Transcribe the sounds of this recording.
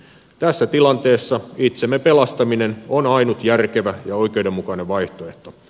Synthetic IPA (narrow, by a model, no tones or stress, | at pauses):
t̪æsːæt̪ilɑnt̪e̞ːsːɑit̪semːepelɑst̪ɑminenonɑinut̪jærkeʋæjɑo̞ik̟eudemːukɑneʋʋɑjht̪oe̞ht̪o